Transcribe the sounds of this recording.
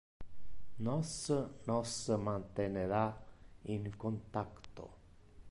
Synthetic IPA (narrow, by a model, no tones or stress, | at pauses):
nɔsnɔsmant̪eneɾaiŋkont̪akt̪o̰